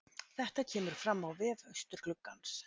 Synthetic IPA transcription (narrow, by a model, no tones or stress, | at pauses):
θɛht̪acʰɛːmʏɾ̥fɾamːawvɛðœjst̪ʏɾ̥klʏkːans